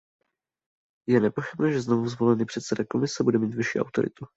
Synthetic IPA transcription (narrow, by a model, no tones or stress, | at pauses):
jɛnɛpo̞xɪbnɛːʒɛzno̞vuzvo̞lɛniːpr̥ɛt̪sɛdako̞mɪsɛbudɛmiːt̪vɪʃḭːa̰wt̪o̞̰ɾɪ̰t̪u